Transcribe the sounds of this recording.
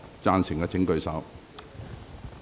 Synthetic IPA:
t͡saː˧nsɪ˨˩ŋkɐː˧t͡sʰɪ˨˥ŋkɵ˧ɥsɐ˨˥w

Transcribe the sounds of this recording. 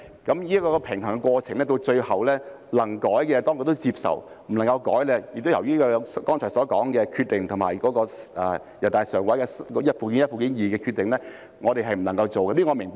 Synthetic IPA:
kɐ˨˥mji˥kɔː˧kɔ˧pʰɪ˨˩ŋt̪ʰŋkɛ˧kwɔː˧t͡sʰɪ˨˩ŋlɛː˥t̪̬o˧wt͡ʃɵ˧ɥhɐ˨˩wlɛː˥ | lɐ˨˩ŋkɔː˨˥jkɛː˧t̪ɔː˥ŋko˧t̪o˥wt͡siː˧p̚sɐ̰˨˩w | m̩˨˩lɐ˨˩ŋkɐ˧wkɔː˨˥jlɛː˧jɪ˨k̚t̪o˥jɐ˨˩wjyː˥ɔː˧kɔː˥nt͡ʃʰɔː˨˩sɔː˨˥kɔː˨˥ŋkɛː˧kʰy˧t̪̚ɪ˨ŋt̪ʰʊ˨˩ma̰ː˨jkɔː˨˥kɔː˧ʔɛ˨˩ | jɐ˨˩t̪aː˨jsœː˨˩ŋwɐ˨˥jkɛː˧skːjɐ˥t̚fuː˨k̬i˨˥njɐ˥t̚fuː˨˩kiː˨˥njiː˨kɛː˧kʰy˧t̪ɪ˨ŋlɛː˥ | ŋɔː˨˧e˨jɦɐ˨jm̩˨˩lɐ˨˩ŋkɐ˧wt͡so˨wkɛ˧mi˥ŋɔː˨˧mɪ˨˩ŋpa˥

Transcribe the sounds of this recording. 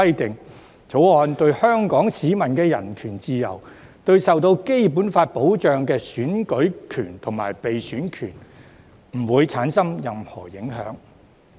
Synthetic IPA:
ɐ˥jt̪ɪ˨ŋ | t͡sʰo˨˥wɔː˧nt̪ɵ˧ɥhœː˥ŋkɔː˨˥ŋsiː˨˥mɐ˨˩nkɛː˧jɐ̰˨˩nkʰyː˨˩nt͡siː˧jɐ̰˨˩w | t̪ɵ˧ɥsɐ˨wt̪̬o˧wke˥jp̬uː˨˥nfaː˧t̚po˨˥wt͡ʃœː˨˧ŋkɛː˧syː˨˥nkɵ˨˥ɥkʰyː˨˩nt̪ʰʊ˨˩ŋma̰ː˨˩jpe˨jsyː˨˥nkʰyː˨˩n | m̩˨˩wuː˨˧jt͡sʰaː˨˥nsɐ˥mjɐ˨mhɔ̰ː˨˩jɪ˨˥ŋɦœ̰ː˨˥ŋ

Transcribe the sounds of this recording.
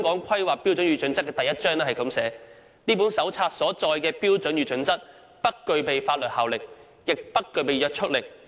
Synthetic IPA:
ŋkɔː˨˥ŋkʷʰɐ˥jwaː˨k̚pːiː˥wt͡snɥyː˨˥t͡ʃɵ˨˥nt͡sɐ˥t̚kːɛː˧t̪jːɐ˥t̚t͡ʃœː˥ŋnɛː˥hɐ˨jkɐ˨˧˥msɛː˨˥ | niː˥puː˨˥nsɐ˨˥wt͡sʰaː˧t̚sɔː˨˥t͡sɔː˧jkɛː˧piː˥wt͡sɵ˨˥njy˨˧t͡ʃɵ˨˧˥nt͡sɐ˥t̚ | pɐ˥t̚kːɵ˨˧ɥpe˨jfaː˧t̚lɵ˨t̚haː˨˩wlɪ˨k̚ | jɪ˨k̚pɐ˥t̚kːɵ˨˧ɥpe˨˧jœː˨˧k̚t͡ʃʰɵ˥t̚lɪ˨˩k̚

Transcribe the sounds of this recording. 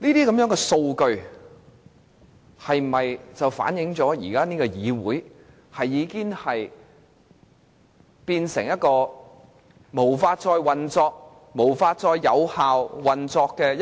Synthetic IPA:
niː˥t̪iː˥kɐ˨˥mjœː˨˥ŋkɛː˧so˧wkɵ˧ɥ | hɐ˨jmɐ˨jt͡sɐ˨wfa̰ː˨˥njɪ˨˧˥ŋt͡sɔː˨˥jḭː˨˩kaː˥niː˥kɔ˧jiː˨˧wuː˨˥j | hɐ˨jːiː˨˧kiː˥ŋhɐ˨j | piː˧nsɪ̰˨˩ŋjɐ˥t̚kɔː˧ | mo˨˩wfaː˧t̚t͡ʃɔː˧jwɐ˨nt͡sɔː˧k̚ | mo˨˩wfaː˧t̚t͡sɔː˧jːɐ̰˨˧whaː˨wwɐ˨nt͡sɔː˧kːɛː˧j

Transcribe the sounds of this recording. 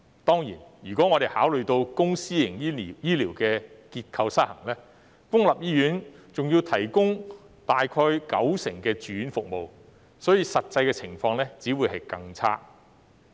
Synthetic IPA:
t̪ɔː˥ŋjḭ˨˩nɥyː˨˩kɔː˨˥ŋɔː˨˧ɾe˨jhaː˨˥wlɵ˨ɥt̪o˧wkʊ˥ŋsiː˥jɪ˨˩ŋjːjiː˥liː˨˩wkɛː˧kiː˧t̚kʰɐ˧wsa˥t̚hɐ˨˩ŋlɛː˥ | fʊ˥ŋlɐ˨p̚jiː˥jyː˨˥n | t͡sʊ˨ŋji˧wt̪ʰɐ˨˩jkʊ˥ŋ | t̪aː˨jkʰɔː˧jkɐ̰˨˥wsɪ˨˩ŋkɛː˧t͡ʃyː˨˥nfʊ˨k̚mo˨w | sɔː˨˥jiː˧sɐ˨t̚t͡sɐ˧jkɛː˧t͡sʰɪ˨˩ŋfɔː˧ŋlɛː˥t͡siː˨˥wu˨jɦɐ˨jkɐ˧ŋt͡sʰa̰ː˥

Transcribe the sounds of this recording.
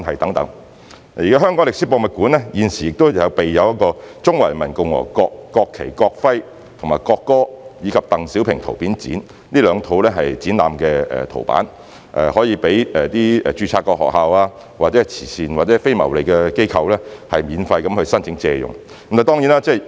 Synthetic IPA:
nhɐ˨jt̪ɐ˨˥ŋt̪ɐ̰˨˥ŋ | jiː˨kaː˦˥ɦœː˥ŋkɔː˨˥ŋlɪ˨ksiː˨˥pɔː˧mɐ˨˧t̚kuː˨˥nlɛː˥jiː˨˧nsiː˨˩jɪ˨k̚t̪o˥wjɐ˨˧wpe˨jːɐ˨˧wjɐ˥t̚kɔː˧t͡sʊ˥ŋwɐ˨˩jmɐ˨˩nkʊ˨ŋwɔ̰˨˩kɔː˧kːɔː˧kʰːḛ˨˩jkɔː˧k̚fɐ˥j | t̪ʰʊ˨˩ŋmaː˨jkɔː˧kːɔː˥jiː˨˧kʰɐ˨p̚t̪ɐ˨ŋsi˨˥wpʰɪ˨ŋt̪ʰo˨˩wpiː˨˥nt͡sḭː˨˥n | liː˥lœː˨˧ŋt̪ʰo˨˧˥wlɛː˥ɦɐ˨jt͡siː˨˥nla̰ː˨mkɛ˧ɛ̰ː˨˩t̪ʰo̰˨˩wpa̰ː˨˥n | ʔɛ̰ː˨hɔː˨˥jiː˨˧pe˨˥jɛ˨t̪iː˥ɛ̰ː˨t͡ʃyː˧t͡sʰaː˧t̚kːɔː˧hɔ̰ː˨k̚ɦaː˨waː˧ | waː˨t̚t͡sɛ˨˦˥t͡sʰiː˨˩siː˨nwaː˨t̚t͡sɛː˨˥fe˥jmɐ˨˩wle˨˩jkɛː˧ke˥jkʰɐ˧wlɛː˥hɐ˨jmiː˨˧nfɐ˧jkɐ˨˥mhɵ˧ɥsɐ˥nt͡sʰɪ˨˥ŋt͡sɛ̰ː˧jʊ̰˨ŋ | ɐ˦mt̪aː˨˩t̪ɔː˥ŋjiː˨˥naː˥t͡sɛː˥˩

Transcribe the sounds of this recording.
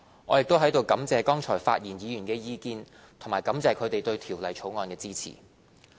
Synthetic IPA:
ŋɔː˨˧jɪ˨k̚t̪o˥wɦɐ˨˥jt̪o˨˧wkɐ˨˥mt͡sɛː˧kɔː˥ŋt͡ʃʰɔ̰ː˨˩jfa̰ː˧t̚jiː˨˩njiː˨˧jyː˨˩nkɛː˧jiː˧kiː˧n | t̪ʰo˨˩ŋmaː˨˩jkɐ˨˥mt͡sɛː˨˧kʰɵ˨˧ɥt̪e˨jt̪ɵ˧ɥt̪ʰiː˨˩wlɐ˨˩jt͡ʃʰo˨˥wŋɔː˧nkɛː˧t͡siː˥t͡sʰḭː˨˩

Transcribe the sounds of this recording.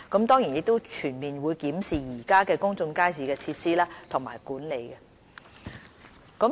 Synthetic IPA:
kɐ˨˥mt̪ɔː˥ŋji˨˩njɪ˨˧k̚t̪o˥wt͡ʃʰyː˨˩nmiː˨nwuː˨˧jkiː˨˥msiː˨jiː˨˩kaː˥kɛː˧kʊ˥ŋt͡sʊ˧ŋkaː˥js̬iː˨˥kɛː˧t͡sʰiː˧t̚siː˥laː˥t̪ʰʊ˨˩ŋma̰ː˨˩jkuː˨˥nle˨˧jkɛ˧ | kə˨˥m

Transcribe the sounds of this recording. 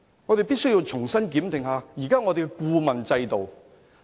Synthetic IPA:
ŋɔ˨˧t̪e˨jpiː˥t̚sɵ˥jiː˧wt͡ʃʰʊ˨˩ŋsɐ˥nkiː˨˥mt̪ɪ˨ŋhaː˨jiː˨˩kaː˥ŋɔː˨˧t̪e˨kɛ˧kuː˧mɐ˨nt͡sɐ˧jt̪o˨w

